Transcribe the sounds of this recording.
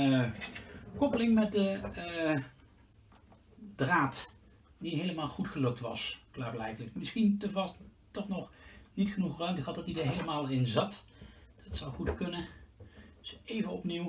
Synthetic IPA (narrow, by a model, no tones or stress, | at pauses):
kɔpəlɪŋmɛt̚də | draːt | diɦejləmaːlˠχutχəlɵk̚tʋɑ̰sklaːɹblɛjdələkmɪsχintəvɑs | tɔχnɔχnitχənuχrœɥmtəχɦɑt̚dɑtidəɹɦejləmaːlˠɪnzɑt | d̥ɑtsɑwχutkɵnə̥ | sejvənɔpniw